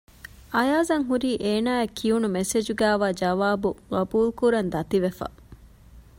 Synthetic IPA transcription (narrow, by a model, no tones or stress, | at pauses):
ʔɐjaːzɐŋɦuɾiːʔeːnaːekʰːiunumesed͡ʒuɡæːʋaːd͡ʒɐʋaːbuɡɐbuːlkuɾɐnd̪ɐt̪iʋefɐ̰